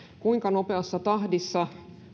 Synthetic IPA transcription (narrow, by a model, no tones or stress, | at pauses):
kuiŋkɑnope̞ɑsːɑt̪ɑhdisːɑ